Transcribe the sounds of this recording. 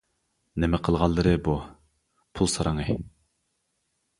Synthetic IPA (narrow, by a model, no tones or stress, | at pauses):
nemɛqʰəlˠʁɑlˠːɨɾɨbu | pʰulˠsɑɾʔɑŋɨ